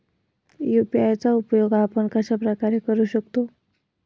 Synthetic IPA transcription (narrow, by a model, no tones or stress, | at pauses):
jupiajt͡saupjoɡapəɳkəɕapɾəkaɾekəɾuːɕəkt̪o